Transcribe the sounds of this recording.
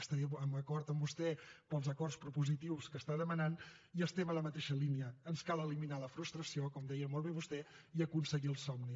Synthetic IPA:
st̪əəməkɔɾt̪əmbust̪ɛpəlˠzəkɔrspɾupuzit̪iwskəst̪aðəmənan | iəst̪ɛmələmət̪eʃəliniəːnskalˠəliminaləfɾust̪ɾəsiokɔmd̪ɛjəmɔlˠβ̞eβust̪ɛ | iəkunsəɣiəlˠsɔmni

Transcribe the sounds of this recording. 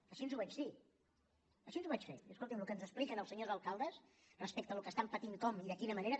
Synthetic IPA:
əʃinzuβɛt͡ʃsi | əʃiənzuβat͡ʃfḛt̪iəskolˠt̪imlukənzəsplikənəlˠsəɲozəlˠkalˠd̪əs | rəspɛk̚t̪əlukəst̪ampət̪iŋkɔmiðəkinəməneɾə

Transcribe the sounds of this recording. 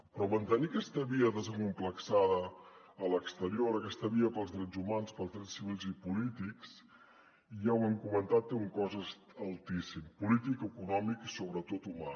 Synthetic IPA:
pɾɔmənt̪əniəkɛst̪əβiəðəzəŋkumpləksaðəː | ləkst̪əɾioɾəkɛst̪əβiəpəlˠzðɾɛd͡zumanspəlˠzðɾɛt͡ssiβilˠzipulit̪iks | iʒawɛmkumənt̪at̪ːeuŋkɔzəs | əlˠt̪isimpulit̪ikəkunɔmiksoβɾət̪ot̪uma

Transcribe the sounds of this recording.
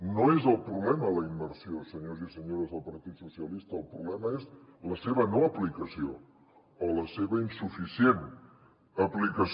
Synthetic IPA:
noezəlˠpɾuβlɛmələimːəɾsiosəɲozisəɲoɾəzðəlˠpəɾt̪it̪susiəlist̪əːlˠpɾuβlɛməezləseβənoəplikəsioː | ləseβəinsufisien | əplikəs

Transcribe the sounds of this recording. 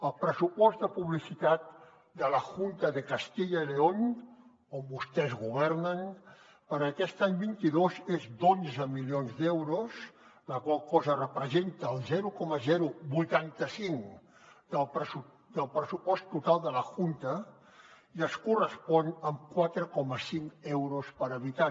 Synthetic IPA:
əlˠpɾəsupɔzd̪əpuβlisit̪at̪̚ | d̪ələʝunt̪əðəkəst̪iʎəileoɲ | ombust̪ɛzɣuβ̞ɛrnən | pəɾəkɛst̪aɲbint̪iðozezd̪onzəmilionzd̪ɛwɾusləkwalˠkɔzərəpɾəzent̪əːlˠzɛɾukɔməzɛɾubujt̪ant̪əsiŋ | d̪̥əlˠpɾəsu | d̪əlˠpɾəsupɔst̪ːut̪alˠd̪ələxunt̪ə | iəskurəspɔnəmkwat̪ɾəkɔməsiŋɛwɾuspəɾəβit̪a

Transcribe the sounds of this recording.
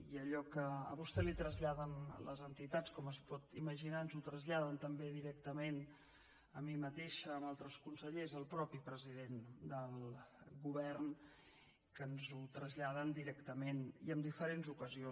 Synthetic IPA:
iəʎɔkəə̰βust̪ɛlit̪ɾəzʎaðənlə̰zənt̪it̪at͡skɔməspɔt̪iməʒinaənzut̪ɾəzʎaðənt̪əmbeðiɾɛkt̪əmen | əmimət̪eʃəːmalˠt̪ɾəskunsəʎezəlˠpɾɔpipɾəzið̞end̪əlˠɣuβɛrn | kənzut̪ɾəzʎað̞ənd̪iɾɛkt̪əmeniəmd̪ifəɾenzukəzio

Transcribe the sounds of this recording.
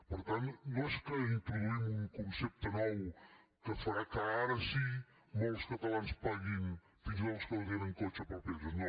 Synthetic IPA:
pəɾt̪annoeskəint̪ɾuðuimuŋkunsɛp̚t̪ənɔw | kəfaɾakaaɾəsi | mɔwskat̪alanspaɣin | t̪iŋzɔwskəðɣenəŋkot͡ʃəpɾoɾpɛləno

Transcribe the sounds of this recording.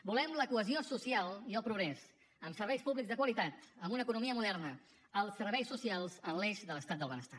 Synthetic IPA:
bulɛmləkuəziosusialˠiəlˠpɾuɣɾɛz | əmsərβɛjspuβlikzðəkwəlit̪at̪əmbunəkunumiəmuðɛrnə | əlˠsərβɛjsusialˠzənlɛʃðələst̪at̪̚əlˠβənəst̪a

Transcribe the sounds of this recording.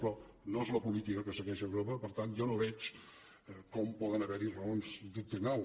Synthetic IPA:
pɾɔ | noezləpulit̪ikəkəsəɣɛʃəɣɾopəpəɾt̪anʒɔnoβɛt͡ʃ | kɔmpɔðənəβɛɾirəonzd̪uk̚t̪ənaw

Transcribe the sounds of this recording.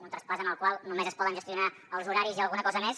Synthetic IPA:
unt̪ɾəspazənəlˠkwalˠnumezəspɔðə̃nʒəst̪iuna | əlˠzuɾaɾiziəlˠɣunəkɔzəmes

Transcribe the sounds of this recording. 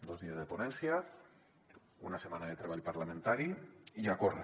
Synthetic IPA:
d̪ozðiezðeponɛnsja | ṵnasemanaðet̪ɾeβaʎpaɾlamẽnt̪aɾiiakor̰

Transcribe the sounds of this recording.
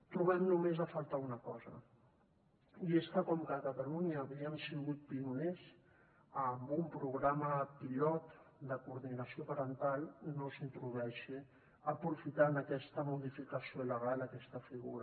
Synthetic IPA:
t̪ɾuβɛmnumezəfalˠt̪aunəkɔzə̰ | ieskəkɔmkakat̪aluɲaːβiəmsiɣut̪̚piunez | əmbumpɾuɣɾaməpiʎɔt̪d̪əkuɾðinəsiopaɾənt̪alˠnosint̪ɾuðuɛʃi | əpɾufit̪anakɛst̪əmuðifikəsioləɣ̞aləkɛst̪əfiɣuɾ

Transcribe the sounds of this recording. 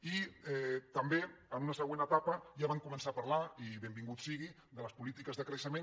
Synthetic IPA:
iɛt̪əmbeənunəsəɣwenət̪apəʒaβ̞aŋkumənsapɐɾlaiβembiŋɡut̪siɣi | d̪ələspulit̪ikəzðəkɾəʃəmen

